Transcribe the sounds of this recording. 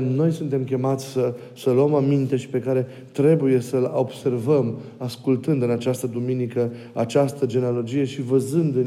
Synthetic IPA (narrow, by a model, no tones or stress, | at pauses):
no̞jsunt̪e̞mkʲe̞mat̪sʲsə | səluəmamint̪e̞ʃi̥pe̞kaɾe̞ | t̪ɾe̞buje̞səlo̞bse̞rvəmaskult̪ɨnd̪ɨnat͡ʃast̪əd̪uminikə | at͡ʃast̪əd͡ʒe̞nealo̞d͡ʒije̞ʃivəzɨnd̪ɨ